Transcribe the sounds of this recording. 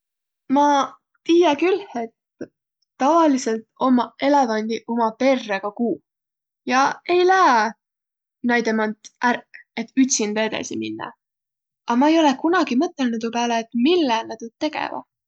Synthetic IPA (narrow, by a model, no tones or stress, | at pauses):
mɑ | t̪iːjɑkylhe̞t̪ː | ɑvɑlise̞lt̪o̞mɑe̞levɑnʲd̪̥iʔo̞mɑpe̞rːeɡ̥ɑkuː | jɑe̞jlæe | nɑjd̪emɑnt̪ʔærkːe̞t̪yt̪ʲsind̪ɑe̞d̪ɑ̰siminːɑ̰ | ʔɑmɑejo̞lekunɑɡ̥imɤt̪ːˑelnut̪upæːleːt̪ˑmilːenæt̪ut̪t̪ːe̞ɡ̥ḛvɑ̰